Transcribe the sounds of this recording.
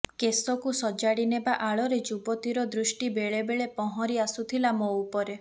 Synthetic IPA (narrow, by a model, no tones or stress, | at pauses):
kesɔkusɔd͡ʒaɽinebaʔaɭɔɾed͡ʒubɔt̪iɾɔd̪ɾusʈibeɭebeɭepɔɦɔɾiasut̪ʰilamoupɔɾe